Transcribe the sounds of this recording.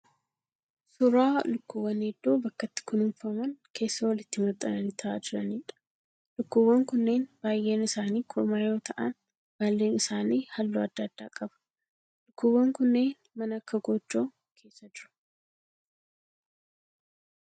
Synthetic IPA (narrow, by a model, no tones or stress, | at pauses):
sʊɾaːlʊkːʊwːɐned̪ːoːbɐkːɐt̪ːɪ̥kʊnɪnfɐmɐnkʰe̞ːsːɐwɐlɪt̪ːɪmɐt̪ʼːɐnɐnit̪ʰɐʔa̰ːd͡ʒɪɾɐniːᶑɐ̥ | lʊkːʊwːɐŋkʊnːe̞ːnb̥aːjʔe̞ːnɪsaːniːkʰʊɾmaːjo̞ːt̪ʰɐʔɐn | b̥aːlːe̞ːnɪsaːniːhɐlːoːɐd̪ːɐd̪̥ːa̰ːkʼɐbɐ̥ | lʊkːʊwːɐŋkʊnːeːn | mɐnɐkːɐɡɔd͡ʒːo̞ː | kʰe̞ːsːɐd͡ʒɪɾʊ̥